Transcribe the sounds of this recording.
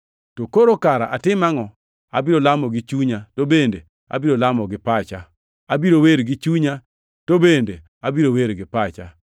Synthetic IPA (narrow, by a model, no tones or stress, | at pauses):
tokoɾokaɾaʔatɪmaŋɔ | abiɾolamɔɡɪt͡ʃuɲatobende | a̰biɾolamɔɡɪpat͡ʃa | abiɾoweɾɡɪt͡ʃuɲa | tobende | abiɾoweɾɡɪpat͡ʃa̰